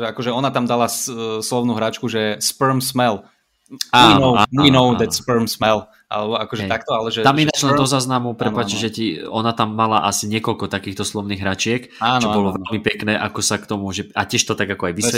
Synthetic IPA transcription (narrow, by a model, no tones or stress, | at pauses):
ʒakɔʒɛɔnat̪amd̪alaslɔʊnuɦɾat͡ʃkuʒɛspəɾmsmɛl | ainɔinɔʊd̪ɛspəɾmsmɛl | ʔa̰lɛbɔakɔʒɛɛtak̚t̪ɔalɛʒɛt̪aminat͡ʃlɛnd̪ɔzaːznamupɾɛppaːt͡ʃiʒɛciɔnat̪amːalaʔasiɲɪɛkɔlkɔt̪akiːxt̪ɔslɔʊniːɣɦɾat͡ʃɪɛk | aːnt͡ʃɔbɔlɔʋɛlmipɛknɛːʔakɔsakt̪ɔmuʒɛacɪɛʃt̪ɔt̪aɡakɔajʋisɛ